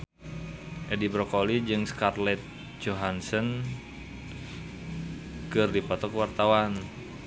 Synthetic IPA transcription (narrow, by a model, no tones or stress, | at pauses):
ʔɛdibɾɔkolid͡ʒɨŋskarlɛt̪̚ | d͡ʒoɦansən | kɨrdipɔt̪ɔkwart̪awan